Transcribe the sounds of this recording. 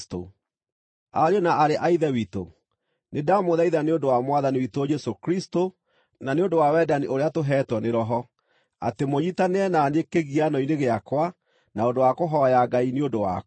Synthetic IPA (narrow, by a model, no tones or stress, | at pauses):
to | aɾeɔnaʔaɾeʔaiðɛwito̰ | nʔedamoðaiðaneondowamwaðaniwitoːd͡ʒɛsokɾisto | naneondowawɛdaniʔoɾeatoɦɛːtwɔneɾɔɦɔ | a̰temoɲitaneɛnanekeɣianɔineɣeakwa | naondowakoɦɔjaɡaineondowa̰